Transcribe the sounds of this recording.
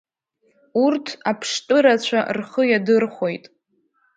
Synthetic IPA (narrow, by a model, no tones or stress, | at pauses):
urtʰapʰʂtʼɨɾat͡ɕʷʰarχəjadɨrχʷo̞jtʼ